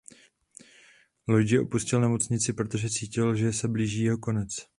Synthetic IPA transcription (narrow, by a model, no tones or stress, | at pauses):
lojd͡ʒɪʔo̞puscɪlnɛmo̞t͡sɲɪt͡sɪpɾot̪o̞ʒɛt͡siːcɪlʒɛsɛbliːʒiːjɛɦo̞ko̞nɛt͡s